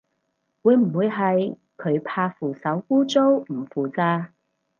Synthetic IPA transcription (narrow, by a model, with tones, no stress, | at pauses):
wuː˨˧jm̩˨˩wuː˨˧jɦɐ˨j | kʰɵ˨˧˥ɥpʰaː˧fuː˨sɐ˨˥wkuː˥t͡so˥wm̩˨˩fuː˨t͡saː˧